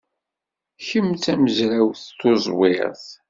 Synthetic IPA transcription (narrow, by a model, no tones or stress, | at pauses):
çəmt͡sæməzɾawθt̪ːozˤwɪɾθ